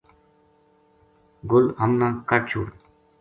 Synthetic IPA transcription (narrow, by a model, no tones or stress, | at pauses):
ɡʊlhəmnãːkəʈt͡ʃʰṵːɽ